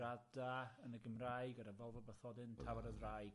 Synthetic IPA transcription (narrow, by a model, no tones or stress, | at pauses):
adaənəɡəmrajɡədavɛlˠvɔbəθɔdɪntʰavaɾəðrajɡ